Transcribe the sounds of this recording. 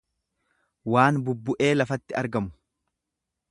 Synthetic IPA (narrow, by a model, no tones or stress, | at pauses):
waːnbʊbːʊʔe̞ːlɐfɐt̪ːɪɐɾɡɐmʊ̥